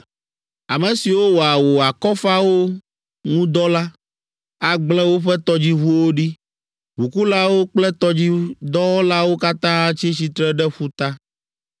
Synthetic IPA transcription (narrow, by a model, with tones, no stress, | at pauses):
a˨mɛ̃˨si˨wo˦wo˨a˨wo˨a˨kɔ˦fa˦wo˦ | ŋũ˦d̪ɔ˦la˦ | a˦ɡ͡blɛ̃˦wo˦ɸɛ˦t̪ɔ˦d͡ʑi˦ɦu˦wo˦ɖi˦ | ɦu˨ku˦la˦wo˦k͡plɛ˦t̪ɔ˦d͡ʑi˦d̪ɔ˦wɔ˦la˦wo˦ka˦t̪ã˦t͡ɕi˦t͡ɕi˨t̪ɾɛ˦ɖɛ˦ɸu˦t̪a˦